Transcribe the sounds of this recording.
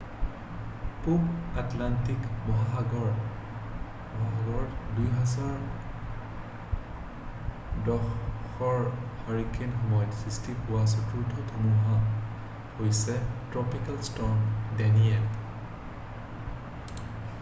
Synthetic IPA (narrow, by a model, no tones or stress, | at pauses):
pupatlantikbɔɦaɡɔ | bɔɦaɡɔɹdujɦɛzaɹ | dɔxɔɹhɔɹikʰenxɔmɔjɔtsɹistipuwas̬ɔtuɹtʰɔtʰɔmuɦa | hojsɛtɹɔpikalstɔndɛniɛn